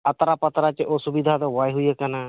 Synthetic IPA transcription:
at̪ɾapət̪ɾat͡ʃeʔɔsubid̪ʱad̪ɔwajɦujakana

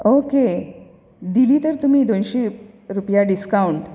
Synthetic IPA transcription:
oke | d̪iliːt̪əɾt̪um̤iːd̪onɕe | ɾupjaɖiskauɳʈ

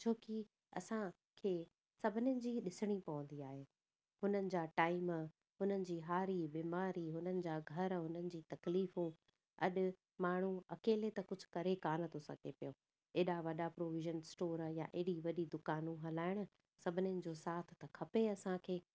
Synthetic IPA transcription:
t͡ɕʰoːki | ɐ̰sã | kʰeː | sɐbʱɪnɪjənɪ̆d͡ʑiːɗɪsɪɽ̃ipɐʋə̃nd̪iaːɦeː | hʊnənɪ̆d͡ʑaːʈaːɪm | ɦʊnənɪ̆d͡ʑiːɦaːɾibiːmaːɾiɦʊnənɪ̆d͡ʑaːɡʱɐɾɦʊnənɪ̆d͡ʑiːt̪ɐkliːfũ | ɐ̰ɗʊ̆ | maːɳ̤ũɐkeːlet̪ɐkʊd͡ʑʱʊ̥̆kɐɾekaːnət̪ʰosɐ̰ɡʱepijõː | eːɗaʋɐɗapɾoːʋɪʒənsʈoːɾjaʔeɦɪɽiʋɐɗid̪ʊkaːnũɦɐlaːɪɽ̃ʊ̆ | sɐbʱɪnɪjənɪ̆d͡ʑoːsaːt̪ʰɪ̥̆t̪ɐkʰɐpeɐsãkʰeː

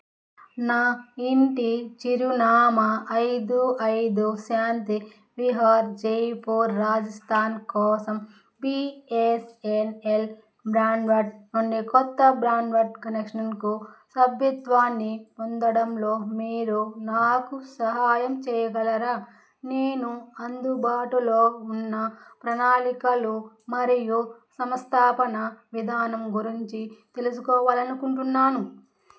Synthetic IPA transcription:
naːiɳʈit͡ʃiɾunaːmɐːjd̪uɐjd̪uʃaːnt̪i | ʋiɦaːɾd͡ʒeːpoːɾːaːd͡ʒɐst̪ʰaːnkɔːsɐm | biːesenel | bɾaːɳɖʋɐʈnonːikɔt̪ːɐbɾaːɳɖʋɐʈkɐnekʂɐnkusɐbʱjɐt̪ʋaːnːipɔnd̪ɐɽɐmlo̞ːmiːɾunaːkusɐɦaːjɐmt͡ʃɛːjɐɡɐlɐɾaː | neːnuɐnd̪ubʱaːʈulo̞ːunːɐpɾɐnaːlikɐlu | mɐɾijusɐmɐst̪ʰaːpɐnɐʋid̪ʱaːnɐmɡuɾiɲt͡ʃit̪e̞lusukɔːʋaːlɐnukuɳʈunːaːnu

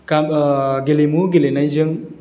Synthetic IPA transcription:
kaɡelimuɡelenajd͡ʒɯŋ

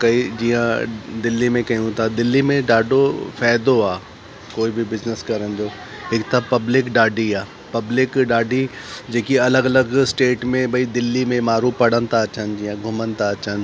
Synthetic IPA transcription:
kɐid͡ʒiːjãd̪ɪlːimẽkɐjũt̪ʰad̪ɪlːimẽɖaːɖofɛːjd̪oaː | koːibʱibɪznəskɐɾə̃nd̪oː | ɪːkt̪ʰapɐblɪkɖaːɖiaː | pɐblɪkɖaːɖid͡ʒeːkiɐləɡɐləɡsʈeːʈmẽbʱɐid̪ɪlːimẽmaːɾũpɐɽ̤ənt̪at͡ʃənd͡ʒiːjãɡʱʊmənt̪at͡ʃən

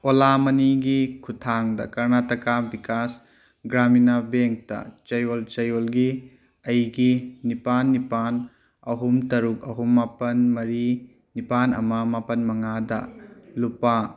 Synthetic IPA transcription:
olamɐniɡikʰutʰaŋdɐ̰kɐɾnatɐkabikas | ɡɾaminabeŋk̚tɐ̰t͡ʃɐjolt͡ʃɐjolɡi | ɐjɡinipanːipan | ɐɦumtɐɾuk̚ɐɦumːapɐnmɐɾi | nipanɐ̰mɐmapɐnmɐŋadɐ̰lupa

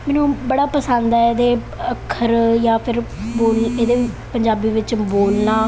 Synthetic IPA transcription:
mɛːnũːbəɽaːpəsənd̪ɛed̪eː | əkʰːəɾjãːpʰɪɾboːleːd̪eːpəɲd͡ʒaːbiːʋɪt͡ʃboːlnaː

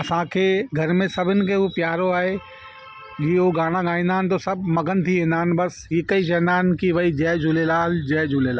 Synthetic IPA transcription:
ɐsãːkʰeɡʱɐɾmẽsɐbɪnkeɦopjaːɾoaːe | jeɦoːɡaːɽaɡãːĩnd̪aːnt̪̬osɐbmɐɡənt̪ʰiɦẽnaːnbɐsjeːkɐid͡ʒɛːnaːnkiʋɐid͡ʒɛːd͡ʒʊlelaːld͡ʒɛːd͡ʒʊlelaːl

